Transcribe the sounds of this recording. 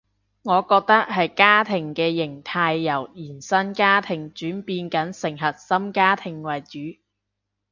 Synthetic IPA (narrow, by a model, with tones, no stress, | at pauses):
ŋɔː˨˧kɔː˧k̚t̪ɐ˥k̚ɦɐ˨jkaː˥t̪ʰɪ˨˩ŋkɛː˧jɪ˨˩ŋt̪ʰaː˧jːɐ˨˩wjiː˨˩nsɐ˥nkaː˥t̪ʰɪ˨˩ŋt͡ʃyː˨˥npiː˧nkɐ˨˥nsɪ˨˩ŋɦɐ˨t̚sɐ˥mkaː˥t̪ʰɪ˨˩ŋwɐ˨˩jt͡ʃyː˨˥